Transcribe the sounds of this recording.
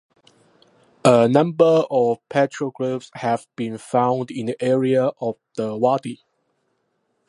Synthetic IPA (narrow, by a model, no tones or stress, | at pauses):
ənãmbəɔfpʰɛtɹəɡɹəpshɛvb̥ĩnfãʊ̃ndĩndiʔɛɹiəʔɔfd̥əwadi